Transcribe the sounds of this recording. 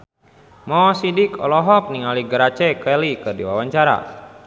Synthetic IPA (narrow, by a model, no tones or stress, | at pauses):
mɔsidikʰɔ̰lɔɦɔk̚niŋaliɡəɾat͡ʃɛkɛlikɨrdiwawaɲt͡ʃaɾa̰